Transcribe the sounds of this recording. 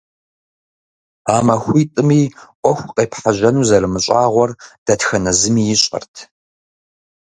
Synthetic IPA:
aːmɐxʷiːtʼɨmiːʔʷɔxʷqʼeːpħaʑɐnuːzɐɾɨmɨɕʼaːʁʷɔrd̥ɐtxɐnɐzɨmiːjɪɕʼɐ̰rtʰ

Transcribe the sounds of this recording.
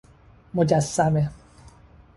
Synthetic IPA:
mod͡ʒasːame

